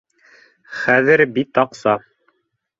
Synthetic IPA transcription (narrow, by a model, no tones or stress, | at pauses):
χæðɘɾbit̪ɑqsɑ